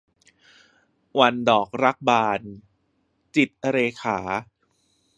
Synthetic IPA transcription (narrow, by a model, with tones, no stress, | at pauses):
wa˧ndɔː˨˩k̚ɾa˦˥k̚baː˧n | t͡ɕi˨˩t̪̚ʔa˧ɾeː˧kʰaː˩˦